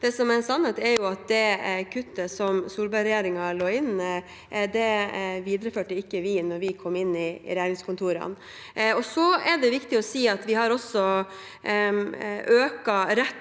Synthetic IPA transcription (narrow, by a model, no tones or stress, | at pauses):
d̪̥ɛsɔmɛsɑnːheːt̪ɛɾjʊɑt̪̚d̪ɛkʰʉt̪ːəsɔmsuːlbɑɾɛjeːɾɪŋɑɭoːɪnː | d̪ɛʋiːd̪ɾəføːʈəɪkːəʋiːnɔɾʋɪkʰɔmːɪnːɪ̰ɾɛjeːɾɪŋskʰɔnt̪ʰuːɾɑ̰n | ɔsɔɛɖɛʋɪkt̪ɪɔsiːɑt̪ʋɪɦɑɾɔsɔ | øːkɑɾɛt̪ː